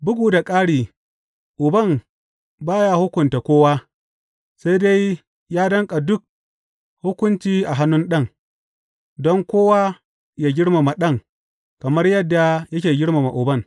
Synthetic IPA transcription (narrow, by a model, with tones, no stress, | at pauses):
bʊ˦ɡuː˨da˨kʼaː˦ɽiː˨ | ʔʊ˨bɐ˦˨m | baː˦ja˦hʊ˦kʷʊ˨nta˨kʷoː˦waː˦ | sa˦jde˦j | jaː˦dɐ˦ŋkʼa˨dʊ˦k̚ | hʊ˦kʷʊ˦nt͡ʃiː˦ʔa˨ɦa˦nːʊ˦nɗɐ˦ŋ | dɔ˦ŋkʷoː˦waː˦ | jaː˦ɡʲɪ˦ɽma˨ma˨ɗɐ˦ŋ | kɐ˨mɐ˦rjɐ˦dːa˨jɐ˦kʲeː˨ɡʲɪ˦ɽma˨ma˨ʔʊ˨bɐ˦˨ŋ